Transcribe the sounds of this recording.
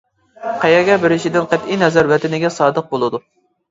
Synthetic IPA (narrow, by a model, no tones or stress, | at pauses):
qʰæjɛɡʲɛbɪɾɪʃid̪ɪnqæt̪ijnɛzɛɾwɛt̪ʰɪnɪɡʲɛsɑːd̪əq̚bolˠɨd̪u